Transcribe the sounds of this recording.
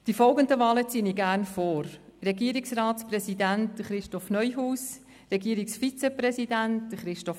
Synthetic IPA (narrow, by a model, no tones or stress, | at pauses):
d̥ifɔlɡəndəʋɑːlət͡siːəniːɡæːɾnfoːɾɾɛɡiəɾiksrɑːtsprɛsidæntd̪əχɾɪʃtɔfnœjɦuːs | rɛɡiːəɾiksfit͡sɛpɾɛsidænt̚d̥̪əχɾɪʃtɔf